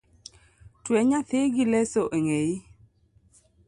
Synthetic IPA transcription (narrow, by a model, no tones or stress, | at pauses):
twɛɲaθɪɡilɛsoʔeŋei